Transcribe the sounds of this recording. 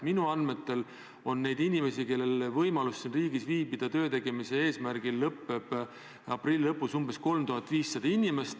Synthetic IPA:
minuɑnme̞t̪ːˑe̞l | o̞nːe̞jd̪inime̞sike̞lːe̞lvɤjmɑlusːinriːɡ̥isviːbid̪̥ɑt̪ø̞ːt̪e̞ɡ̥e̞mise̞eːsmæɾɡ̥ilːɤpːe̞b̥ | ɑprilʲːilɤpːˑusumbe̞sko̞lmt̪uɦɑt̪ːˑviːsːɑd̪ɑinime̞st̪

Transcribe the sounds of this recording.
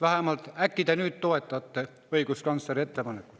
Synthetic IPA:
ʋæhemɑlt̪ækːit̪ænyːˑt̪t̪oet̪ːɑˑt̪ːe | oikuskɑnsːɑret̪ːepɑnekku

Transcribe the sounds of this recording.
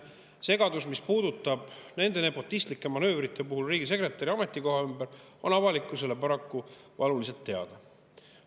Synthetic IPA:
se̞ɡɑd̪usmispuːd̪ut̪ːˑɑb̥ne̞nd̪e̞ne̞po̞t̪ːˑist̪likːˑemɑnø̞ːvrit̪ːˑe̞puɦulriːɡis̬e̞kret̪ːˑɑɾiɑme̞t̪ːˑiko̞ɦɑymbeɾ | o̞nɑvɑlikˑːuse̞le̞pɑɾɑkːu | vɑlulise̞lt̪ːe̞ɑ̰d̪̥ɑ

